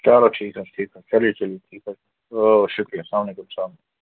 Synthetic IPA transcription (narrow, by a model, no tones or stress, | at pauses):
t͡ʃaːɾoʈʰiːkɦɐʈʰiːkɐt͡ʃɐliet͡ʃɐlijeʈʰiːkɐ | oʃʊkɾijasaːmlekumsaːmne